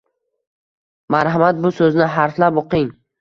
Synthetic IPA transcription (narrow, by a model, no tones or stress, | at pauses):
maɾɦamat̪̚bʊsɵznɪɦaɾflapoqɪŋ